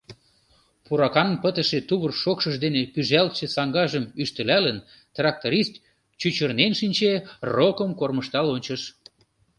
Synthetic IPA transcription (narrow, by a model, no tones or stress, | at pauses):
puɾɑkɑnpət̪əʃet̪uβərʃokʃəʒd̪enepyʒælt̪ʃesɑŋɡɑʒəmyʃt̪ə̆lælən | t̪rɑk̚t̪oɾist̪ | t͡ɕyt͡ɕərnenʃinʲt͡ɕerokəmkorməʃt̪ɑlonʲt͡ɕəʃ